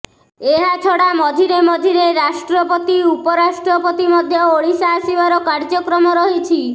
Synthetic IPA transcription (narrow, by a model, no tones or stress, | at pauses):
eɦat͡ʃʰɔɽamɔd̪ʱiɾemɔd̪ʱiɾeɾaʃʈɾɔpɔt̪iupɔɾaʃʈɾɔpɔt̪imɔd̪ʱjɔoɭisaːsiʋaɾɔkaɾd͡ʒɔkɾɔmɔɾɔɦit͡ʃʰi